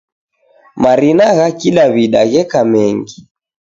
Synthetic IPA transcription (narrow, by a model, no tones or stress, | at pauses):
maɾinaɣakiɗaβiɗa̰ɣɛkamɛŋɡi